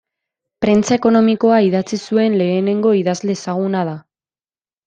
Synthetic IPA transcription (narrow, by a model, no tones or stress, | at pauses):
pɾe̞nt͡sae̞ko̞no̞miko̞aiðat͡sisue̞nle̞ːne̞ŋɡo̞iðazle̞ːsaɣ̞unað̞a